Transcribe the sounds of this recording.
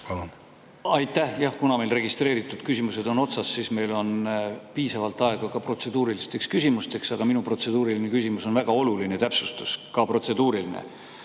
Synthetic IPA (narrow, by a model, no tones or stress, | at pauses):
pɑlun | ɑjt̪ːˑæhjɑhkunɑme̞jlre̞ɡ̥ist̪re̞ːɾit̪ːˑud̪̥kysʲimuse̞d̪̥o̞no̞t̪sɑsːisme̞jlo̞npiːsɑvɑlt̪ːˑɑe̞ɡ̥ɑkɑpro̞t̪se̞d̪̥uːɾilist̪e̞kskysʲimust̪e̞ksɑɡ̥ɑminupro̞t̪se̞d̪̥uːɾiline̞kysimuso̞nvæɡ̥ɑo̞lulinet̪æpsust̪uskɑpro̞t̪se̞d̪uːɾilinḛ